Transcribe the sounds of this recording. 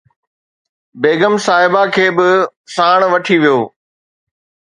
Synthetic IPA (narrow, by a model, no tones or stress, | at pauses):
beːɡəmsaːɦɪbakʰeːbɪsaːɽ̃ʋɐʈʰiʋijoː